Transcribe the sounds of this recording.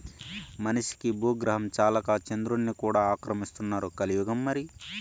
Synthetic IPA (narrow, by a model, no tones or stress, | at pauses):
mɐnɐʂi̥kibuːɡɾɐɦɐmt͡ʃaːlɐkaːt͡ʃɐnd̪ɾunːikuːɽaːaːkɾɐmist̪unːaːɾukɐlijuɡɐmːɐɾi